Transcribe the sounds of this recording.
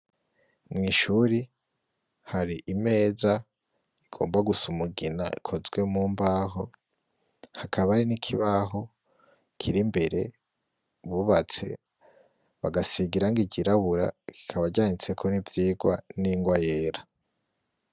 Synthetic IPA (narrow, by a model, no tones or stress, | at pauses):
mŋiːʃuɾi | haɾiʔime̞ːza | iɡ̥o̞ːmbaɡusumuɡina̰ḭkʰo̞zɡwe̞muːmbaɦo̞ | hakʰaβaɾinikʰiβaɦo̞ | kʰiɾimbe̞ɾe̞̰ | βuβat͡se̞̰ | βaɡasiɡiɾaŋɡiɟiɾaβuɾa̰ki̥kʰaβaɟaːɲit͡se̞kʰo̞nivjiːɡwa̰niŋɡwaje̞ːɾa